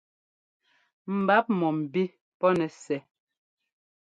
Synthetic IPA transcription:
m̩˨ba˨˦p̚mɔ˨m̩˨bi˦ | pɔ˦nɛ˨sɛ˨

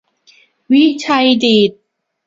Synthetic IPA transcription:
wi˦˥t͡ɕʰa˧jdiː˨˩t̪̚

